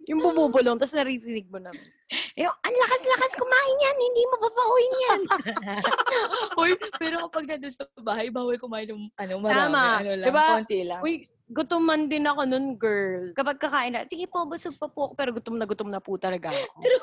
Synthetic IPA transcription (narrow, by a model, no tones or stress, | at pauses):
jʊŋbʊmuːbʊloŋt̪ɐsnɐɾiːɾinɪɡ̚monɐmɪnoʔɐnlɐkaslɐkaskomaːhɪnjanhɪnd̪iːmopapɐʔojɪnjan | ojpɛːɾokɐpɐɡ̚nɐnd̪onsɐbaːhɐjbaːwɐlkʊmaːɪnʊŋɐnomɐɾaːmaɐnolɐdɪbant̪ilɐŋoj | ɡʊt̪omɐnd̪ɪnɐko̞noŋɡɛɹlkɐpɐɡ̚kɐkaːʔɪnlɐt̪ɪɡɪpobʊsʊɡ̚pɐpuʔɐkopɛːɾoɡʊt̪omnɐɡʊt̪oŋnɐput̪ɐlɐɡaɐkoɛɾo